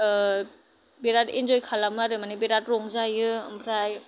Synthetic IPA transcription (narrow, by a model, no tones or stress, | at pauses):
biɾatḭnzojkʰalamaɾɯmanibiɾat̚ɾoŋzajɯmpʰɾaj